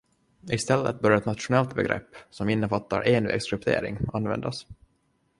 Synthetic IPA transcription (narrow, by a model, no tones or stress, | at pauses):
ɪst̪ɛlːət̪̚bœɾjaɛt̪nat̪ʂʊnɛlt̪bɛɡɾʔɛ̰pːsɔmɪnːəfat̪ːa̰ɾʔeːnvḛːɡskʰɾɵp̚t̪ʰḛːɾɪ̰ŋanːvɛ̰nd̪as